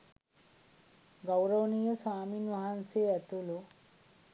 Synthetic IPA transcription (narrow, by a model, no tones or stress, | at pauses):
ɡɐwɾɐwnijosaːminuɦanseɛt̪ulu